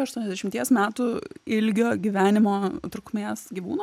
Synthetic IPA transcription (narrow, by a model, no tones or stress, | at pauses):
ɐʃt̪uɔnɛzd̪ʲɛʃɪmt̪ʲiɛsmʲæːt̪ʊɪlʲɡʲoːɡʲiʋʲæːnʲɪmoːt̪ɾʊkmʲeːsɡʲiʋṵːno